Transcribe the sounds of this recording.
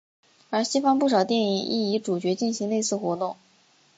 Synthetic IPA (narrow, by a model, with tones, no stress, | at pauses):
ə˞˧˥ɕi˥fɑ˥ŋpu˥˩ʂɑ˨˩ʊt̪jɛ˥˩ni˨˩ŋʔḭ˥˩i˧˥ʈ͡ʂu˨˩t͡ɕɥɛ˧˥t͡ɕi˥˩nɕi˧˥ŋne˥˧ɪsɹ̩˥˩xwɔ˧˥t̪ʊ˥˩ŋ